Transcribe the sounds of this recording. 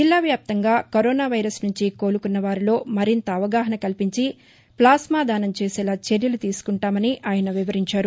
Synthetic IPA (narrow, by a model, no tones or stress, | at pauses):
d͡ʒilːaːʋjaːp̚t̪ɐŋɡaːkoɾɔːnaːʋɐjɾɐsnuɲt͡ʃiko̞ːlukunːɐʋaːɾilo̞ːmɐɾint̪ɐːʋɐɡaːɦɐnɐkɐlpiɲt͡ʃi | plaːsmaːd̪aːnɐmt͡ʃe̞ːsɛːlaːt͡ʃe̞ɾjɐlut̪iːsu̥kuɳʈaːmɐniʔʔaːjɐnɐʋiʋɐɾiɲt͡ʃaːɾu